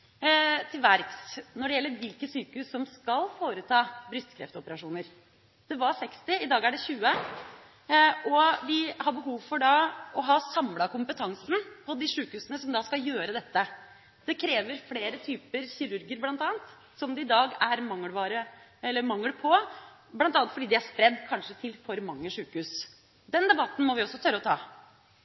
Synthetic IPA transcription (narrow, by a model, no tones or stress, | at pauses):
t̪ʰɪlʋæɾksnɔɖɛjɛlːəɾʋɪlkəsyːkəhʉːsːɔmskɑlfoːɾət̪ʰɑːbɾʏst̪kʰɾɛ̰ft̪ɔpəɾɑʂuːnəɾ | d̪̥ɛʋɑɾsɛkst̪ɪɪd̪ɑːɡæɖɛçʉːə | ʔɔʋɪhɑɾbəɦuːʋfɔɖɑɔɦɑːsɑmlɑkʊmpət̪ʰɑŋsn̩pʰɔd̪ɪʂʉːkhʉːsənəsɔmd̪ɑskɑjøːɾəd̪ɛt̪ːə | d̪̥ɛkʰɾeːʋəɾfleːɾət̪ʰyːpəɾçɪɾʉɾɡɪəɾblɑnt̪ɑːənt̪ | sɔmd̪ɛɪd̪ɑːɡæɾmɑŋːəʋɑːɾəɛlːəɾmɑŋːəlpʰɔ | blɑnt̪ɑːnt̪fɔɖiːd̪ɪæʂspɾɛd̪ːkʰɑnʂət̪ʰɪlfɔɾmɑŋːəʂʉːkʉːs | d̪ɛnd̪ɛbɑt̪ːn̩mɔʋɪɔsːɔt̪ʰœɾːəɔt̪ʰɑː